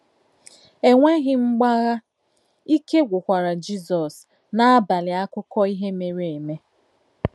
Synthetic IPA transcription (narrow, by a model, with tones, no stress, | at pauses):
e˨ŋʷe˦ɣɪ˦ŋ͡m̩˦ɡ͡ba˦ɣa˦ | i˦ke˦ɡʷʊ˨kʷa˨ɾa˨d͡ʒi˦zɔ˨s | na˦a˦ba˨lɪ˨a˦kʊ˦kɔ˦i˦ɦe˦me˨ɾe˨e˨me˦